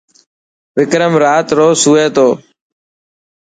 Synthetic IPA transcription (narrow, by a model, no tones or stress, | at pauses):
ʋɪkɾəmɾaːt̪ɾoːsuːeːt̪oː